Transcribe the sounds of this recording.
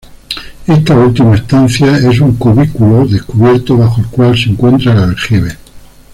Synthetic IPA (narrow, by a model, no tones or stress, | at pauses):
e̞st̪ault̪imae̞st̪an̟θjae̞s̬uŋkuβ̞ikuloðehkuβ̞je̞ɾt̪oβ̞axoelkwalseŋkwe̞nt̪ɾalaexiβe